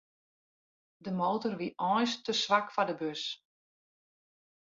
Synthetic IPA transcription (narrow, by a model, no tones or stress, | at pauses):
dəmoːtɔrʋiʔɔjstəsʋakfadəbøs